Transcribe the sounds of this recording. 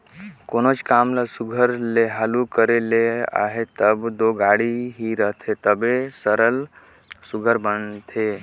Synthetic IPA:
koːnot͡ʃkaːmlasuɡʱəɾleɦalukəɾelea̰ːɦet̪əbd̪oɡaːɽiɦiɾəɦt̪ʰet̪əbesəɾəl | suɡʱəɾbənt̪ʰe

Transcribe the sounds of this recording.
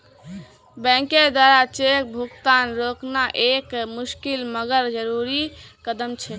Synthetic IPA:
bɛ̃ŋked̪waɾat͡ʃek̚bʱukt̪anɾoknaʔekmuskilməɡəɾd͡ʒəɾuɾikəd̪əmt͡ʃʰɛ

